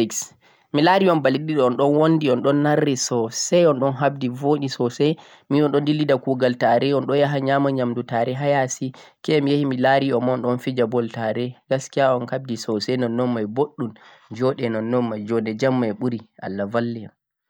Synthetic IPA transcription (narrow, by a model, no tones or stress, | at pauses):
iks | milaɾiɔnbaliɗiɗɔɔnɗɔnwondiɔnɗɔnːaɾːɛsɔsɛjɔnɗɔnɦab̚divoɗisɔsɛj | miɔnɗɔndilidakuɡaltaɾɛɔnɗɔjaɦaɲamaɲamdutaɾɛɦajasikɛmijahimilaɾiɔmɔnɗɔnfid͡ʒabɔltaɾɛɡaskijaɔnkab̚disɔsɛjnɔnːɔmːajboɗːum | d͡ʒɔɗɛnɔnːɔnːajd͡ʒɔnɛd͡ʒamːajɓuɾiʔa̰lːavalːɛjam